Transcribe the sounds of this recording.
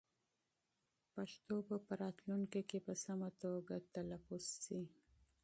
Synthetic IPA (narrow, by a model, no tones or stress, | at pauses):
paʃt̪opəpəɾɑt̪luŋkekepəsamat̪oɡat̪alafʊzsi